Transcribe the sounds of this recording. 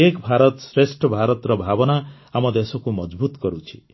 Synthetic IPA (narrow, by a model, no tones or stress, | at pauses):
ekbʱaɾɔt̪sɾesʈʰɔbʱaɾɔt̪ɾɔbʱabɔna | amɔd̪esɔkumɔd͡ʒbut̪kɔɾut͡ʃʰi̥